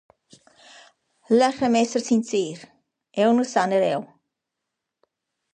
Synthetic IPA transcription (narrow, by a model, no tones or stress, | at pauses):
ləχəmɛsərsinsiːr | ɛlˠnusanəɾɛlˠ